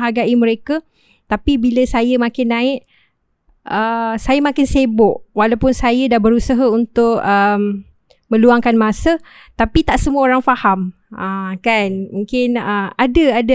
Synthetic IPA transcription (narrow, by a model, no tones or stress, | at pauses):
ɦaɡaʔimə̃ɾeka | t̪apibiləsajəmãkɪnːãɪʔ | əsajamãkɪnsebʊʔwalawpʊnsajədahbəɾusaɦaunt̪ʊk̚əm | mə̃luaŋkanmãsə | t̪apit̪aʔsəmũaoɾaŋfaham | əkanmũŋkɪnəadəada